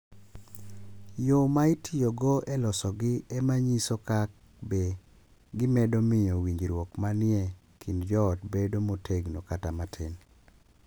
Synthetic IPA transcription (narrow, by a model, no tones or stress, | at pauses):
jomaɪtʰɪjoɡoʔɛlɔsɔɡɪemaɲisokak̚ | be | ɡɪmɛdomɪjɔwiɲd͡ʒɾwokmanɪɛ | kʰindd͡ʒɔːtbedomotʰeɡnokatamatʰen